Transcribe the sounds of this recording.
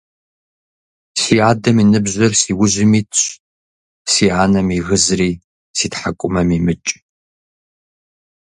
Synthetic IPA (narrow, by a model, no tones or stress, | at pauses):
siːaːdɐminɨbʑʷɐrsiːwʊʑʷɪmiːtʰɕ | siːaːnɐmiɣɨzɨriː | siːtħakʷʼʊmɐmiːmɨt͡ʃʼ